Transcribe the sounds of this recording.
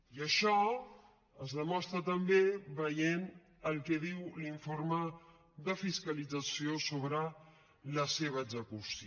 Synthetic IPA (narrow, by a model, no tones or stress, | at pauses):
iəʃɔ | əzðəmɔst̪ɾət̪əmbeβəjen | əlˠkɛðiwliɱformə | ðəfiskəlid͡zəsiosoβɾə | ləseβ̞əːɡzəkusi